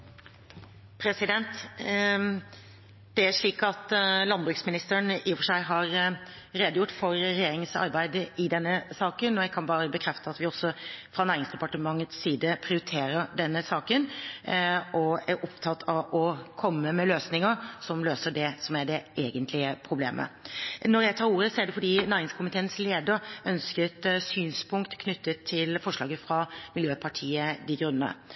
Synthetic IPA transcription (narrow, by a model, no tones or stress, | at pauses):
pʰɾɛsɪd̪ɛnt̪ | d̪̥ɛæʂɭiːkɑt̪lɑnbɾʉksmɪnɪst̪əɳiːfɔʂæɪɦɑɾ | ɾeːd̪əjʊʈːfɔɾɾɛjeːɾɪŋsɑ̰ɾbæɪd̪əɪd̪ɛnːəsɑːkənɔjæɡkʰɑnbɑːɾəbəkʰɾɛft̪əɑt̪ʋɪɔsːɔfɾɑnæːɾɪŋsd̪ɛpɑʈəmɑŋːət̪sːiːd̪əpʰɾɪʊɾɪt̪ʰeːɾəɾɖɛnːəsɑːkən | ʔɔæɾʔɔpt̪ʰɑt̪ʰːɑʋʔɔkʰɔmːəmɛløːsnɪŋəɾsɔmløːsəɖɛsɔmæɖɛʔeːɡənt̪ʰlɪəpʰɾʊblḛːmʔə̰nɔɾjæɪt̪ʰɑːɾuːɾəsɔæɖɛfɔɖiːnæɾɪŋskʰʊmɪt̪ʰeːənsleːd̪əɾœnskət̪syːnspʰʊŋkt̪kʰnʏt̪ːət̪ʰːɪlfɔʂɭɑːɡəfɾɑmɪljøːpʰɑʈʰiːəd̪ɪɡɾʉnənə̰